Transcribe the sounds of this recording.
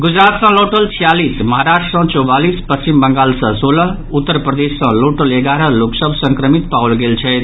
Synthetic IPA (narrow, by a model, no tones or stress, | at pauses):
ɡud͡ʒɾat̪sʌ̃loʈəlt͡ʃʰijalisməɦaɾasʈsə̃t͡ʃɔbalispəst͡ʃimbəŋɡalsə̃solə | ut̪ːəɾpɾəd̪esːə̃loʈəleɡaɾəloksəbʱsə̃ŋkɾəmit̪pawlɡelt͡ʃʰɛjt̪ʰ